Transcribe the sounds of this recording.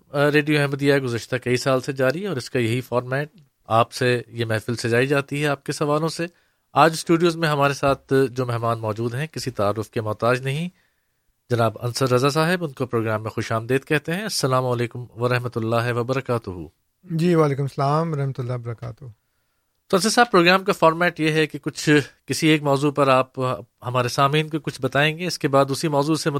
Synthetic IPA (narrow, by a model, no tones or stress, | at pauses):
ɾeːɖijoɛɦməd̪ijaɦɛɡʊzəʃt̪akɐisaːlsed͡ʒaːɾiɔːɾɪskajɐɦifɔːɾmɛːʈ̚ | aːpsejemɛːfɪlsed͡ʒaːid͡ʒaːt̪iɦɛaːp̚kesɐʋaːlõse | aːd͡ʒsʈuːɖijoːzmẽɦɐmaːɾesaːt̪̚ʰd͡ʒoːmɛɦmaːnmɔːd͡ʒuːd̪ɦɛ̃kɪsit̪aaːɾːʊfkemɔːt̪aːd͡ʒnɐɦĩ | d͡ʒɐnaːbɐ̰̃nsəɾːɐzas̬aːɦɪbʊnkopɾoːɡɾaːmːẽxoːʃaːmd̪eːd̪̚kɛɦt̪eɦɛ̃ɐsːɐlaːmoːleːkʊmʋɐɾɐɦmət̪ʊlːaːɦɪʋɐbɐɾɐkaːt̪ʊɦṵː | d͡ʒiːʋaːleːkʊmsɐlaːmʋɐɾɐɦmət̪ʊlːaːbɐɾɐkaːt̪ | t̪oɐnsəsaːbpɾoːɡɾaːmkafɔːɾmɛːʈjeɦɛkekʊt͡ʃʰkɪsieːkmɔːzupɐɾaːphɐmaːɾesaːmĩːnkokʊt͡ʃʰbɐt̪aːẽːŋɡeːɪskebaːd̪ʊsimɔːzuɪsemʊ